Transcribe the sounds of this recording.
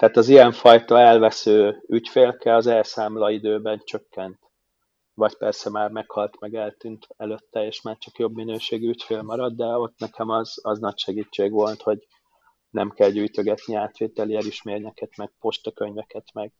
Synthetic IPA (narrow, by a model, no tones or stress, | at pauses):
t̪ɛːt̪ɒziɛɱfɒjt̪ɒɛlvɛsøːycfeːlkɛlɒzɛlsaːmlɒid̪øːbɛnt͡ʃø̞kːɛnt̪ | ʋɒɟpɛrsɛmaːrmɛkhɒlt̪mɛɡɛlt̪ynt̪ɛløt̪ːɛeːʃmaːrt͡ʃɒkjo̞bminøːʃeːɡyycfeːlmɒɾɒd̪ːd̪ɛo̞t̪nɛkɛmɒzɒznɒcʃɛɡiːt͡ʃːeːɡʋo̞lt̪ho̞ɟ | nɛ̰mkɛlɟyːjt̪øɡɛt̪niaːt̪ʋeːt̪ɛliɛliʃmeːrɲɛkɛt̪mɛɡ̥̚po̞ʃt̪ɒkø̞ɲvɛkɛt̪mɛɡ̥